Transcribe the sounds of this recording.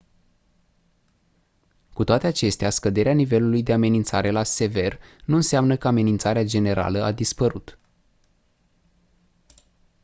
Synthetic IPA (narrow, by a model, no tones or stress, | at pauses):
kut̪oat̪e̞at͡ʃe̞st̪easkəd̪e̞ɾeanive̞lulujd̪e̞ame̞nint̪saɾe̞lase̞ve̞rnuɨnseamnəkəame̞nint̪saɾead͡ʒe̞ne̞ɾa̰ləad̪ispəɾut̪